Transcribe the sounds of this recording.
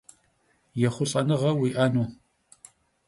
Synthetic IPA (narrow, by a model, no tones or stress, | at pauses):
jɛχʷʊɕʼɐnɨʁɐwiʔɐnuː